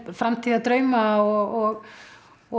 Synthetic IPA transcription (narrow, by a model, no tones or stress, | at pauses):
fɾamt̪ʰiːðat̪ɾœɥmaɔɣɔɣ | ɔ